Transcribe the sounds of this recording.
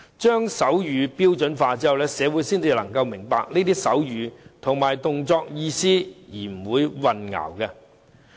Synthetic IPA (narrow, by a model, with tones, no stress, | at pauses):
t͡ʃœː˥ŋsɐ˨˥wjyː˨˧piː˥wt͡sɵ˨˥nfaː˧t͡siː˥hɐ˨˩wlɛ˥sɛː˨˧wuː˨˥jsiː˥nt͡si˨˩lɐ˨˩ŋkɐ˧wmɪ˨˩ŋpaː˧k̚neː˥t̪iː˥sɐ̰˨˥wjyː˨˧t̪ʰʊ˨˩ŋmaː˨˩jt̪ʊ˨˧ŋt͡sɔː˧k̚jiː˧siː˥jiː˨˩m̩˨˩wuː˨˧jwɐ˨nŋɐ̰ː˨˩wkɛ˧